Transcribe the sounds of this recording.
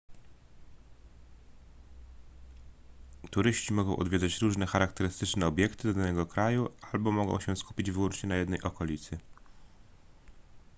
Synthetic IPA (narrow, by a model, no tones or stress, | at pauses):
t̪uɾɘɕt͡ɕimɔɡɔ̃w̃ʔɔ̰d̪vʲed̪zat͡ɕɾuʐnɛxaɾakt̪ɛɾɘst̪ɘt͡ʂnɛɔbʲjɛkt̪ɘd̪ɔd̪anɛɡɔkɾajualbɔmɔɡɔ̰̃w̃ɕɛsku̥pʲid͡ʑvɘwɔnt͡ʂɲɛnajɛd̪nɛjʔɔkɔlʲit̪sɘ